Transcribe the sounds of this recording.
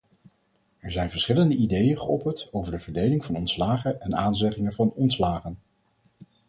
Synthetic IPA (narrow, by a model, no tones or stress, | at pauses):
ɛɹzɛjnvəɹsχɪləndəidejənχəɔpəntowvəɹdəvəɹdejlɪŋvɑnɔntslaːχənɛnaːnzɛχɪŋənvɑnɔntslaːχən